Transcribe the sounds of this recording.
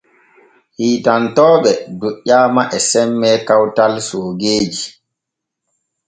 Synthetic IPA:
hiːtantɔːɓɛduʔːaːmaʔɛsɛmːɛkawtalsoːɡeːd͡ʒi

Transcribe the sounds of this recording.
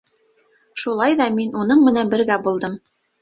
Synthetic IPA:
ʃulˠɑjðɑminunɤɴmɘ̆nænbɘ̆ɾɡæbulˠd̪ɤm

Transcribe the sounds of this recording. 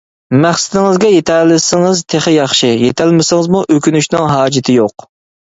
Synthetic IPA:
mæχsɪd̪ɪŋɨzɡʲɛjet̪ʰælɪsɪŋɨzt̪ʰeχɪjɑχʃɨjet̪ʰælmɪsɪŋɨzmuʔøkʲynyʃnɪŋɦɑːd͡ʒɪt̪ʰɪjoq

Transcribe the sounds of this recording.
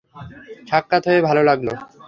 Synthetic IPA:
ʈʰakːat̪ɦoebʱalolaɡlo

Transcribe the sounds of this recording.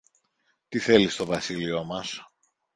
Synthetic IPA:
t̪iθe̞list̪o̞vɐsilio̞mɐs

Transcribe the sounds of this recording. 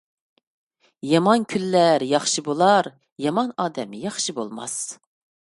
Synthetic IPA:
jɑmɑnkʲʰylːæɾjɑχʃɨbolˠɑɾ | jɑmɑnɑːd̪ɛmjɑχʃibolˠmɑ̰s

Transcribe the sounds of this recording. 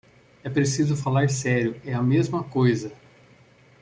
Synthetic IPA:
ɛpɾesizʊfalaɾsɛɾjʊɛɐmezmɐkojzɐ

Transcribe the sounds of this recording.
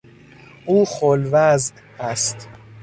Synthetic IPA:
ʔuːxolvæzʔ | æst̪

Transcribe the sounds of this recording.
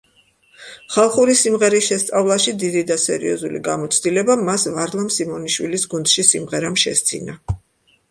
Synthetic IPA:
χalˠχuɾisimʁɛɾisʃɛst̪sʼavlˠaʃid̪id̪id̪asɛɾḭɔzulḭɡamɔt̪sʰd̪ilɛbamasvaɾlˠamsimɔniʃwilisɡund̪̥ʃisimʁɛɾamʃɛ̰st̪sʰʼḭna

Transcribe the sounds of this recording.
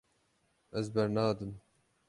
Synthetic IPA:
ɛzbɛɾnɑːd̪ɨm

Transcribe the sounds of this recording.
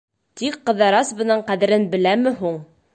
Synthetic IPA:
t̪ikqːɤ̆ðɑɾɑsbɤ̆nɤɴqæðɘ̆ɾɘnbɘ̆læmɘ̆ɦuɴ

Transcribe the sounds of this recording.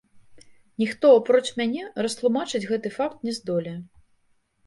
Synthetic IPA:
nʲixt̪ɔapɾɔt͡ʂmʲanʲɛrɐst̪lˠumat͡ʂɨd͡zʲɣɛt̪ɨfakt̪nʲɛzd̪ɔlʲɛ

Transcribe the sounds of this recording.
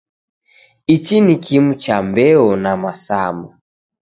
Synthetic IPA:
it͡ʃinikʰimut͡ʃambɛɔnamasa̰mɔ

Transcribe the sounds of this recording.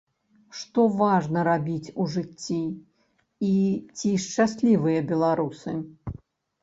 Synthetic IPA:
ʂt̪ɔvaʐnɐɾabʲit͡sʲuʐɨt͡sʲːiː | t͡sʲiʂt͡ʂasʲlʲivɨjɐbʲɛlˠaɾusɨ

